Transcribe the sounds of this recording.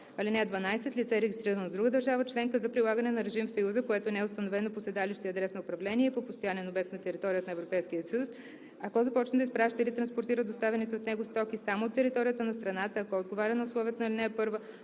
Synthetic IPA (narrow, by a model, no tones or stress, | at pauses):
ɐlinɛɛd̪vɐnajsɛt̪lʲit̪sɛɾɛɡʲist̪ɾiɾənod̪ɾuɡəd̪əɾʒavət͡ʃlɛŋkəzɐpɾilˠaɡənɛnɐɾɛʒimfsɐjuzəkoɛt̪onɛɛʊst̪ɐnovɛnoposɛd̪aliʃt̪iɐd̪ɾɛsnɐʊpɾɐvlɛniɛipopost̪ojanɛnobɛk̚t̪nɐt̪ɛɾit̪ɔɾʲiət̪nɐɛvɾopɛjskijəsəjus | ɐkɔzɐpɔt͡ʃnəd̪ɐəispɾaʃt̪əilit̪ɾɐnspoɾt̪iɾəd̪ost̪avɛnit̪ɛot̪nɛɡost̪ɔkisamoːt̪ːɛɾit̪ɔɾijət̪ənɐst̪ɾɐnat̪əːkɔod̪ɡovaɾʲənɐʊslˠɔviət̪ənilinɛɛpɤɾvə